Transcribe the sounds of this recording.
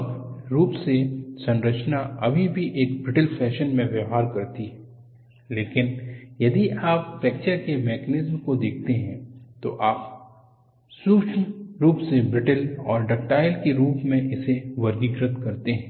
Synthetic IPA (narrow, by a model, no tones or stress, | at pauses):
bɾuːpsesɐ̃nɾət͡ʃnaʔɐbʱibʱiʔeːkbɾɪʈəlfʰɛːʃənmẽʋjɐɦaːɾkɐɾt̪iɦ | leːkɪnjɐd̪iaːppɛːkt͡ʃəɾkemɛːkənɪzmkod̪eːkʰt̪eɦɛ̃t̪oʔaːp | suːt͡ʃʰnɾuːpsebɾɪʈəlɔ̰ːɾɖɐk̚ʈaːɪlkeɾuːpmẽʔɪseʋɐɾɡɪɡɾət̪kɐɾt̪eɦɛ̃ː